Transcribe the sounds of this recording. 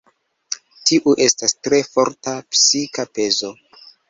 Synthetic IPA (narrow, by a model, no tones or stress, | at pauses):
tiʔuʔe̞stastɾe̞fo̞ɾtapsikape̞zo̞